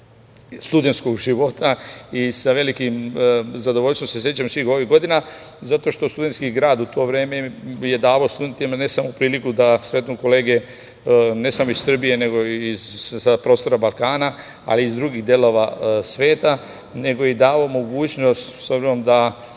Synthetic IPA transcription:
st̪ud̪et̪sko̞ɡʒiʋo̞t̪ʰaisaʋe̞likimzad̪ooʎst̪ʋomsesjet͡ɕamsʋiːxo̞ʋiɡo̞d̪ina | zat̪o̞ʃt̪ost̪ud̪et̪skiɡɾaːd̪ut̪ʰo̞ːʋɾeːmeje̞d̪aːʋaost̪ud̪ent̪imane̞samoupɾiːlikud̪asɾe̞t̪nuko̞le̞ːɡe̞ | ne̞samoissːr̩bije̞ne̞ɡo̞izsapɾo̞ːst̪o̞ɾabalˠkaːna | a̰liːzd̪ɾuɡiɣd̪je̞lo̞ʋasʋeːt̪a | ne̞ɡo̞jid̪aːʋomo̞ɡuːt͡ɕno̞st̪sobzinomd̪a

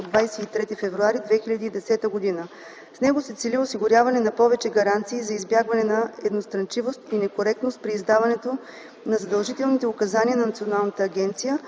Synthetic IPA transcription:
d̪vajsɛit̪ɾɛt̪ifɛvɾuaɾid̪vɛxilʲɐd̪iːd̪ɛsɛt̪əɡod̪inə | snɛɡosɛt̪sɛlʲiʊsiɡʊɾʲjavɐnɛnɐpɔvɛt͡ʃɛɡɐɾant̪siːzɐizbjaɡvɐnɛnɐɛd̪nost̪ɾɐnt͡ʃivost̪inɛkoɾɛk̚t̪nost̪̚pɾiːzd̪avɐnɛt̪o | nɐzɐd̪ɐlˠʒit̪ɛlˠnit̪ɛʊkɐzaniənɐnɐt̪sionalˠnət̪əːɡʲɛnt̪sijə

